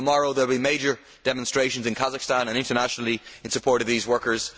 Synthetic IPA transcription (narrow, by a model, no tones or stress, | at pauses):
əmɔɹoʊðə˞bimeɪd͡ʒə˞ | d̥ɛmə̃nstɹ̥eɪʃə̃nzɪ̃nkʰazəkstãnə̃nɪ̃ntə˞naʃnl̩ˠiɪ̃nsəpʰɔɹɾʌvðizwɜ˞kə˞z̥